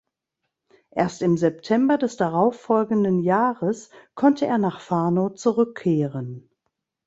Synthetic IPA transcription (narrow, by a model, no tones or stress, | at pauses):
ʔeːɐstɪmzɛptʰɛmbɐdɛsd̥aʁaʊfɔlɡn̩dənjaːʁəskʰɔntʰəʔeːɐnaːχfaɐnot͡suʁʏkʰːeːʁən